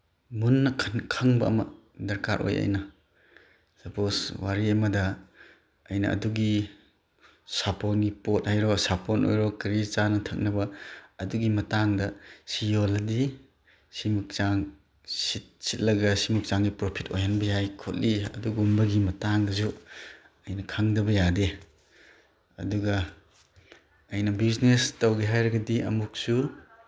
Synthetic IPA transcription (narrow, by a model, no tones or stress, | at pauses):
munːɐkʰnkʰɐŋbɐɐ̰mɐ̰ | dɐɾka̰ɾʔo̰jɐ̰jnɐ | sɐpʰoswaɾiemɐdɐ | ɐjnɐ̰ʔɐ̰duɡi | saponɡipot̚hajɾɔsapono̰jɾɔkɾit͡ʃanɐtʰɐk̚nɐbɐɐduɡimɐtaŋdɐsijolɐdi | simuk̚t͡ʃaŋ | sit̚sit̚lɐɡɐsimuk̚t͡ʃaŋɡipɾopʰito̰jɦanbɐjajkʰot̚liɐ̰duɡumbɐɡimɐtaŋdɐzu | ɐjnɐkʰaŋdɐbɐjade | ɐ̰duɡɐ | jnɐbiznestɐwɡiɦajɾɐɡɐdiɐ̰muk̚su